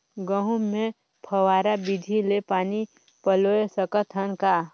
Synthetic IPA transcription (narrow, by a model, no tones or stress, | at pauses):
ɡəɦũmẽ | pʰəwaːɾabid̪ʱilepaːni | pəloːesəkət̪ʰɦənkaː